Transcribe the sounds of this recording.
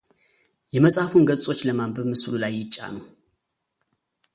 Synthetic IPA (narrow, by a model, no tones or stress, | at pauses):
jɛməsʼafunɡət͡sʼo̞t͡ʃːləmambəβmɨslulajːɪt͡ʃʼːa̰nəw